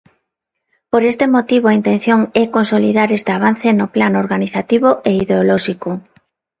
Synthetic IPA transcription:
poɾest̪emot̪iβoaint̪ẽn̟θjoŋɛkonsoliðaɾest̪eaβ̞an̟θenoplanoɾɣaniθat̪iβ̞oʔeiðeolɔʃiko

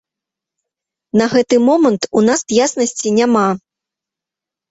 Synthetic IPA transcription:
nɐɣɛt̪ɨmɔmɐnt̪unasjasnɐsʲt͡sʲinʲama

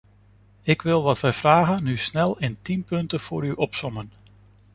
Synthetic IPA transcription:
ɪkʋɪlˠʋɑtʋɛjv̥raːɣənnysnɛlˠɪntinpɵntəv̥ʊːɾyʔɔpsɔmən

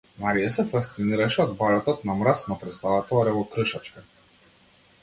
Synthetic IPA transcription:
maɾijasɛfast̪siniɾaʃɛɔd̪̚baɾat̪ɔt̪namɾast̪napɾɛst̪avat̪ɔaɾɛvɔkɾəʃat͡ʃka

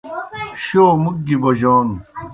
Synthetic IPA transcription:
ɕoːmuk̚ːibɐʑaːn

